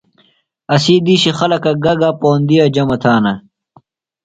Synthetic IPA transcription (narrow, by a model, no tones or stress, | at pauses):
ɐsiːd̪iːɕixɐlɐkɐɡɐɡapoːnd̪ijad͡ʑɐmɐt̪ʰaːnɐ